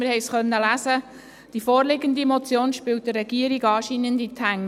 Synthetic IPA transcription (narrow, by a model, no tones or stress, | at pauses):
mɪɾhɛɪsχœnːəlæsə | d̥ifoːrlɪɡəndimɔt͡sjoːnʃpɪlt̚d̥ərːɛɡiəɾiɡɑːʃiːnənditʰæŋ